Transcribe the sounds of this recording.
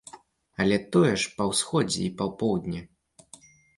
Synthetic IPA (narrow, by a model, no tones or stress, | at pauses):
ɐlʲɛt̪ɔjɛʂpɐwsxɔd͡zʲɛ̰ipɐwpɔwd̪ʲnʲɛ